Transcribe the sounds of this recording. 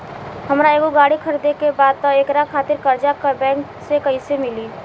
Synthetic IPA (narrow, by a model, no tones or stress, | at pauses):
ɦəmɾaeːɡoɡaːɽikʰəɾd̪ekebaːd̪̚t̪ɔeːkɾakʰaːt̪ɪɾkəɾd͡ʒakəbɛ̃ːŋk | sekəisemɪli